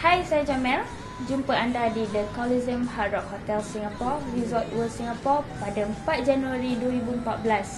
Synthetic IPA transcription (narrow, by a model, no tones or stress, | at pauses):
hajsad͡ʒamɛ̃l | d͡ʒumpəandadidəkɔlizəmhaɾɔk̚hot̪ɛlsiŋapɔɹizɔt̪̚wəsiŋapɔpadaəmpat̪̚d͡ʒanuaɾiduəɾibuəmpat̪̚bəlas